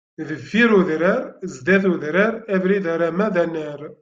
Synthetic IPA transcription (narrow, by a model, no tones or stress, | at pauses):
ðəvːiɾuðɾəɾzd̪æθuðɾaɾævɾiðæɾæmæðænːæɾ